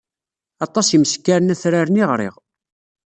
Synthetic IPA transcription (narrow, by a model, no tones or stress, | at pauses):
ɑt̪ˤɑsjiməskːaɾnæθɾaɾəniʁɾɪ̰ʁ